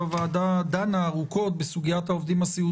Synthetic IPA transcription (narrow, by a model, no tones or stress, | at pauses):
avaːd̪ad̪anaːʁuko̞t̪̚besuɡijat̪hao̞vd̪imasiu